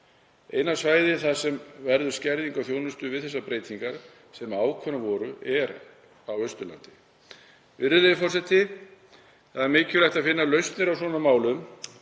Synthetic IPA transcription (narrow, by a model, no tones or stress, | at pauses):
eːjnasvaːjðɪθaðsɛmvɛɾðʏ̥scɛɾðiŋkawθjownʏst̪ʏvɪðθɛsːapɾeːjt̪iŋkaɾ̥ | sɛmaːwkʰvœnavɔɾʏɛɾ | awœɥst̪ʏla̰nt̪ɪ | vɪɾðʏlejðʏfɔrsɛt̪ːɪ | θaðɛɾmɪːcʏlajht̪aðfɪnːalœɥst̪nɪɾawsɔːnamaːwlʏm